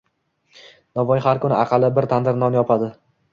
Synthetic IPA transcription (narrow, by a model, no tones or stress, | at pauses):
navɒjhaɾkʰʊnɪɑqʰɑlˠɪbɪɾt̪ʰand̪ɪɾnɒnjɒpʰad̪ɪ